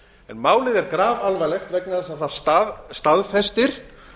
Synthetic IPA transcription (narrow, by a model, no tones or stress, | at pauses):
ɛ̰nmaːwlɪðɛɾkɾaːvalvajlɛxt̪vɛknaðɛsaθaðst̪aðst̪aðfɛst̪ɪɾ̥